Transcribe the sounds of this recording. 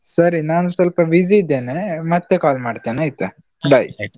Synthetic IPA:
sɐɾinaːnusɐlpɐʋid͡ʒid̪ːeːnemɐt̪ːekaːlmaːɖt̪eːnaːit̪ːe | ɖɐj

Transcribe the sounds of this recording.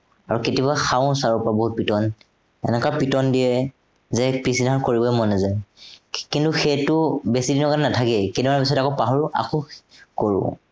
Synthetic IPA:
aɹuketibaxaʊ̃saɹupabɔɦut̚pitɔn | ɛ̰nɛkapitɔndijɛ | zɛpɹisinaɹkoɹibɔmɔnɛzaj | kintuxɛtʊbesidinɔkanɛnatʰakɛketibanbis̬ɔtakɔpaɦɔɹʔa̰kɔkoɹʊ̰̃

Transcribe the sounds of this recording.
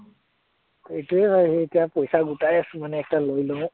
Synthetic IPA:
tetuɛbaeetijapojsaɡutajasʊ̃manɛːk̚talojlõ

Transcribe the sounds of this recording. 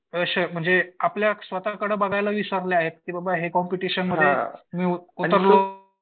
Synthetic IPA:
əɕəm̤əɳd͡zeapljasʋət̪akəɽəbaɡajlaʋisəɾleaɦet̪̚kiːbabaɦekɔmpiʈiɕənməd̪ʱːemiːuəɾlo

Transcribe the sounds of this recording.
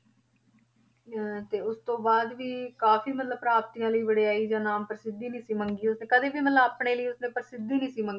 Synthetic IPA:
t̪eːʊst̪õːbaːd̪ʋiːkaːfʰiːmət̪ləbpɾaːp̚t̪ijãːləiːbəɽeːaːiːd͡ʒãːnaːmpəɾsɪd̪ːiːnĩːsiːməŋɡiːʊsnẽːkəd̪eːbiːmət̪ləbaːpɳeːləiːʊsnẽːpəɾsɪd̪iːnĩːsiːməŋɡiː

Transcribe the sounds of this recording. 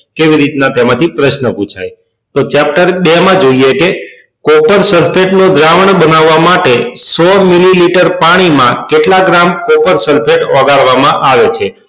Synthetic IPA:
keʋiɾit̪nat̪emãt̪ʰipɾəʃnəput͡ʃʰa̰j | t̪ot͡ʃɛp̚ʈəɾbemãd͡ʒoieke | kopəɾsəɾpʰeʈnod̪ɾaʋəɳbənaʋːamaʈesɔmililiʈəɾpaɽ̃imã̰keʈlaɡɾamkopəɾsəlpʰeʈɔɡaɭʋamãʔaʋet͡ʃʰe

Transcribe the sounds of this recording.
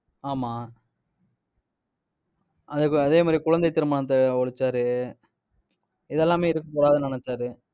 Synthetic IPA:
aːmaː | ɐðɯkːɯɐðeːmaːd̪ɾikʊɻɐnd̪ɐɪt̪ːɪɾɯmaːɳɐt̪̬ːɐɔɻɯt͡ʃːaːɾɯ | ɪðɛlːaːmeːɪɾɯkːɐkːuːɽaːðɐnɪnɐt͡ʃːaːɾɯ

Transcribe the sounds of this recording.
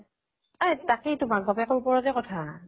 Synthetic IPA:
ajtakitʊmak̚ɡɔbɛkɔɹupɔɹɔtɛkɔtʰa

